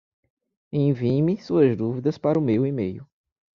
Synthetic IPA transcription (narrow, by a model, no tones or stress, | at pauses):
ẽj̃vimɪsuɐzd̪uvid̪ɐspaɾʊmewimejʊ